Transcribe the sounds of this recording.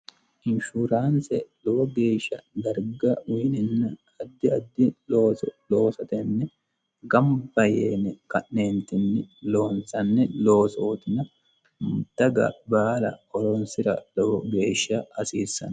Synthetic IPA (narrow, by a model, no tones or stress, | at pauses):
ʔɪnʃuɾaːnsɛlɔwɔɡe̞ːʃːɐd̪ɐɾɡɐwiːnɪnːɐ | ɐd̪ːɪɐd̪ːɪloloːsɐt̪ɛnːɛ | ɡɐmbɐjeːnɛkɐʔneːnt̪ɪnːɪlo̞ːnsɐnːɛlo̞ːsoːt̪ɪnɐ | md̪ɐɡɐ̰baːlɐ̰ɔɾɔnsɪɾɐ̰lɔwɔɡe̞ːʃːɐɐsiːsːɐ̰nɐ